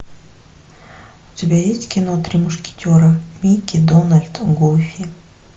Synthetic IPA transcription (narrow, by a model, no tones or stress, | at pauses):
ʊtʲɪbʲajesʲtʲkʲɪnot̪ɾʲimʊʂkʲɪ̥tʲoɾəmʲikʲid̪onəlʲt̪ɡufʲi